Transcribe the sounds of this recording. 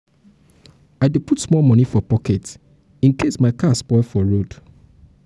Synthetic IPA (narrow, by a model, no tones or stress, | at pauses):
aɪdeputsmɔlmɔnifɔpɔkɛt | ĩnkesmaɪkaspɔfɔɹod̥